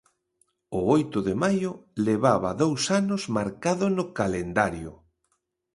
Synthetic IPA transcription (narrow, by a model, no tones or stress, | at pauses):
ʊojt̪ʊðemajʊleβaβaðowsanʊzmaɾkaðʊnʊkalend̪aɾjʊ̰